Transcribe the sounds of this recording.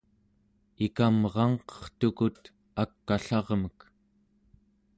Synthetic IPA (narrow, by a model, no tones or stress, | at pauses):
ikamʁɑɴqʌ̥χt̪ukut̪ | akːaɬɑʁmək